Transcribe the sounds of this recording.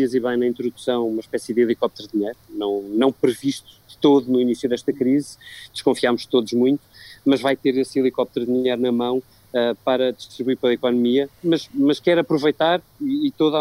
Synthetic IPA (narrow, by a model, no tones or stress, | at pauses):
iɐziβɐ̃j̃nɐĩnt̪ɾuðusɐ̃w̃umɐʃpɛsiɨðilˠikɔp̚t̪ɛɾðiɲɐjɾunɐ̃w̃nɐ̃w̃pɾɨviʃt̪u̥ðɨt̪oðunuinisjuðɛʃt̪ɐkɾizd̪ɨʃkõfiamuʃt̪oðuʒmũj̃t̪u̥mɐʒvajt̪eɾesilˠikɔp̚t̪ɛɾððiɲɐjɾunɐmɐ̃w̃ | ɛpɐɾɐd̪ɨʃt̪ɾiβuiɾpelˠɐikɔnumiɐmɐʃmɐʃkɛɾɐpɾuvɐjt̪aɾiːt̪oða